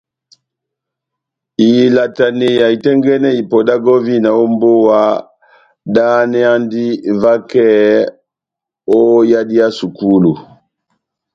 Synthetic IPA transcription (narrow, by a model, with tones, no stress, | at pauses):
i˨la˨ta˨ne˨ja˨i˨tɛ˦ŋɡɛ˦nɛ˦i˨pɔ˨da˦ɡɔ˦vi˦na˨o˦mbo˦wa˦ | da˦nɛ˦a˦ndi˦va˦kɛ˦˨ | o˦ja˦di˦a˦su˨ku˦lu˨